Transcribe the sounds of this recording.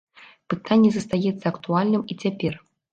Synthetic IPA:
pɨt̪anʲːɛzɐst̪ajɛt̪sːɐɐkt̪ualʲnɨmit͡sʲapʲɛr

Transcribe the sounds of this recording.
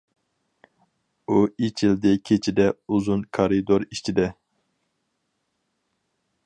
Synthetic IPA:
uit͡ʃʰild̪ɪkʲʰet͡ʃʰid̪ɛuzunkʰɑɾid̪oɾit͡ʃʰid̪ɛ

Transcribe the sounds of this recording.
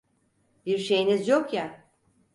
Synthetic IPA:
biɾʃe̞jinizjo̞kja

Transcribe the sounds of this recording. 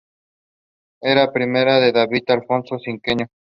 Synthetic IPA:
eɾapɾimeɾaðeðaβit̪alfo̞nsosiŋkeɲo

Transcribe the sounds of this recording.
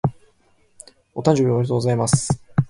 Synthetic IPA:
o̞t̪ãɲ̟d͡ʑobʲioaɾeoːɡozaimasɨ̥

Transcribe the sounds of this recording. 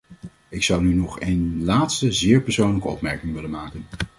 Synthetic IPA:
ɪksʌwnynɔχejnlaːtstəzɪːɹpɛɹsownləkəɔ̰pmɛɹkɪŋʋɪlənmaːkən

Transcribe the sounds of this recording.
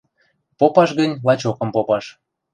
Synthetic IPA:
popɑʃɣənʲlɑt͡ɕokɤ̆mpopɑʃ

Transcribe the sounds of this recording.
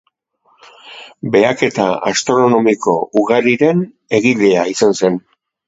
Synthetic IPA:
be̞ake̞t̪aast̪ɾo̞no̞miko̞uɣaɾiɾe̞n | e̞ɣiʎe̞aisanse̞n

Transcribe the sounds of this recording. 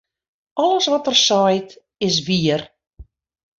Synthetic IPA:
ɔləsʋɔtərsɔjt | ɪs̬ʋiər

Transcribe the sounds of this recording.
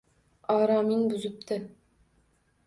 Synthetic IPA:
ɑːɾɑminbʉzɪp̚t̪ʰɪ

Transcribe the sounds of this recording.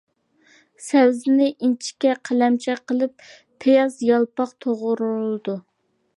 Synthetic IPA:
sɛwzɪnɪʔint͡ʃʰi̥kʲɛqʰəlɛmt͡ʃʰɛqəlˠɨpʰː | ejɑzjɑlˠpɑqt̪ʰoʁʊɾulˠɨd̪u

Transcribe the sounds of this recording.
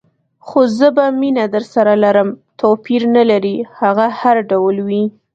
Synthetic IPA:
xozəbaminad̪əɾsaɾalaɾəmt̪ʰopiɾnalaɾihaɣahaɾɖawlwi

